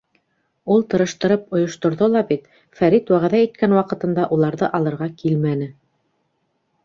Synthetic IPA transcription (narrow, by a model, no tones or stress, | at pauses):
ulˠt̪ɤ̆ɾɤ̆ʃt̪ɤ̆ɾɤpŏjŏʃt̪ŏɾðolˠɑbit̪ | fæɾit̪wæʁæðæit̪̚kænwɑqɤ̆t̪ɤ̆nd̪ɑʔulˠɑɾðɤʔɑlˠɤ̆ɾʁɑkilmænɘ